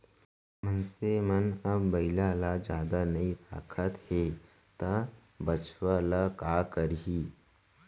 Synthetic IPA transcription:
mənsemɐnɐbːɐɪlalad͡ʒjaːd̪anɐit̪aːkʰət̪he | t̪a | bɐt͡ʃwalakaːkəɾɦiː

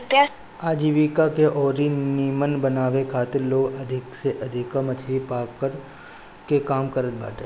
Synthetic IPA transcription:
aːd͡ʒiʋikakeʔɔːɾiniːmənbənaːʋekʰaːt̪ɪɾloːɡɐd̪ʱɪkseʔɐd̪ʱɪkəmɐt͡ʃʰipaːkəɾ | kekaːmkəɾət̪̚ba̰ːʈeː

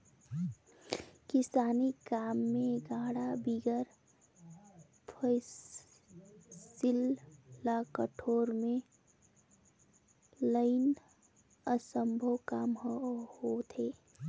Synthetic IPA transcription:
kisaːnikaːmːẽɡãːɽabiɡəɾ | pʰəɪs | sillakəʈʰoːɾmẽ | ləɪn | əsəmbʱəwkaːmhot̪ʰeː

